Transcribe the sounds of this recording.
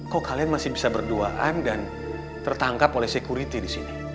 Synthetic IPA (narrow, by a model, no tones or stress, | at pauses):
kokalianmasɪhbisabərduaʔandan | t̪ərt̪aŋkapolɛhsɛkuɾit̪idisini